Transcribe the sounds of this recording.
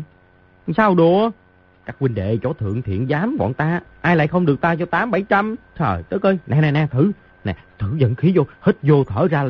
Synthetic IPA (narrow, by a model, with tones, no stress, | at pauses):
saː˧wɗu˧˩ə | kaː˦˥k̚wï˧ŋ̟ɗḛ˧˨t͡ɕɔ˧˦t̪ʰɨ̰˧˨əŋt̪ʰḭ˧˨ənzaː˨˦mvɔ̰˧˨nt̪aː˧ʔaː˧jla̰ː˧˨jxə˧wŋ͡mɗɨ˨˩ək̚t̪aː˧t͡ɕɔ˧t̪aː˨˦mɓa˧˩jt͡ɕa˧mt̪ʰə̰ː˨˩jt̪ɨ˦˥k̚ʔəː˧jna˨˩na˨˩nɛ˨˩t̪ʰɨ˧˩ | na̰˨˩t̪ʰɨ˧˩zə̰˧˨nxi˨˦zo˧hi˦˥t̚zo˧t̪ʰəː˧˩zaː˧